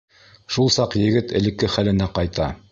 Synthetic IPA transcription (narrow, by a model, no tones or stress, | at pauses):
ʃulˠsɑqjɘ̆ɡɘt̪ɘ̆lɘ̆kːɘχælɘ̆næqɑjt̪ɑ